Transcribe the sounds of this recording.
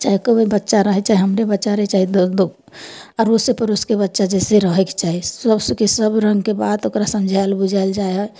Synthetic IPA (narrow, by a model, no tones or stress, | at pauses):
t͡ʃaːɦikoʋoibətːʃaɾəɦɛk̚t͡ʃaːɦiɦəmɾebətːʃaɾəit͡ʃaːɦid̪od̪oɡ | ɔːɾʊsepəɾʊskebətːʃad͡ʒɛːseɾəɦekt͡ʃaːɦisəbsəkesəbɾə̃ŋɡkebaːd̪okɾasə̃md͡ʒʱalbʊd͡ʒʱald͡ʒaːeɦɛ